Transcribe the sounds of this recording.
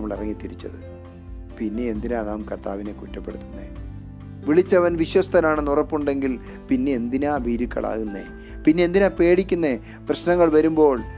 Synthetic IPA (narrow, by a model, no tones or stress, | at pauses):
mːɐɭirɐŋːit̪ːiɾit͡ɕːɐ̰ðɨ | pinːe̞end̪inaːnaːmkɐrt̪aːʋine̞kutːɐpːe̞ɽut̪ːunːḛ | ʋiɭit͡ɕːɐʋɐnʋiɕwɐst̪ʰɐnaːɳɨnurɐpːuɳɖe̞ŋɡil | pinːe̞ːnd̪inaːbʱiːɾukːɐ̰ɭa̰ːɣunːḛ | pinːe̞end̪inaːpe̞ːɽikʲːunːe | prɐɕnɐŋːɐɭʋɐɾumbo̞ːɭ